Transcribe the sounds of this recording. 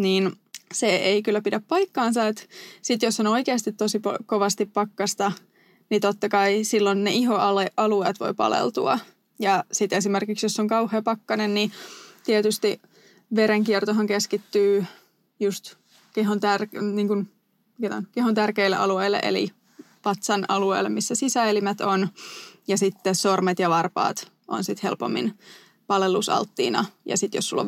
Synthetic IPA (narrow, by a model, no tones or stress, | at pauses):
niːnseeikylːæpidæppɑikːɑːnsɑet̪sit̪josːonoikeːst̪it̪tosipokoʋɑst̪ippɑkːɑst̪ɑ | nit̪ot̪ːɑkɑisilːonneʔiɦoɑleʔɑlueːt̪ʋo̰ipɑ̰lḛlt̪uɑ̰ | jɑsit̪es̬imerkiksjosːoŋkɑuheːpɑkːɑnennit̪iet̪yst̪i | ʋeɾeŋkiɛrt̪oɦɑŋkeskit̪ːyː | just̪ | keɦont̪ærniːŋkun | et̪onkeɦont̪ærkeilːḛʔɑ̰lueilːḛʔḛlḭ | pɑt̪sɑnɑlueilːemisːæsisæelimæt̪onjɑsit̪ːesormet̪jɑʋɑrpɑ̰ːt̪ | o̰nsit̪hḛlpo̰mːḭn | pɑlelusɑ̰lt̪ːḭːnɑ̰jɑ̰sit̪jossulːo̰